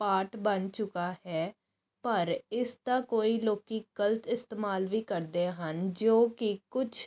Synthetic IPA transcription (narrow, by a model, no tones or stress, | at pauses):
paːʈbənt͡ʃʊkaːɦɛː | pəɾɪst̪aːkoːiːloːkiːɡ̥əlt̪ɪst̪eːmaːlʋiːkəɾd̪eːɦənd͡ʒoːkɪkʊt͡ʃʰ